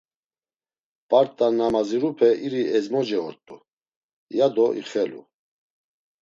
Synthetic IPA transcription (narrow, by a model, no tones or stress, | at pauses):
pʼaɾt̪ʼanamaziɾupʰɛiɾiɛzmɔd͡ʒɛɔɾt̪ʼu | jad̪ɔʔḭχɛlṵ